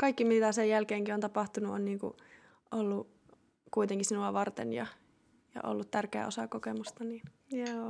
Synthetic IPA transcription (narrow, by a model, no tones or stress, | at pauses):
kɑikːimit̪æsejjælkeːŋkiont̪ɑpɑht̪unuʔo̰nniːŋkṵ | ʔolːu | kuit̪eŋkisinuɑʋɑrt̪ḛnjɑ̰ | jɑ̰ʔo̰lːut̪t̪ːærkeæ̰osɑkokemust̪ɑniːn | joː